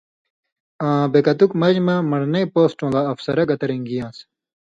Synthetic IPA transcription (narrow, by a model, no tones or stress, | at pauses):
ãːbekɐt̪ukmɐʑmɐmɐɽnɐipoːsʈõːlaɐfsɐɾɐɡɐt̪ɐɾẽŋɡijãːs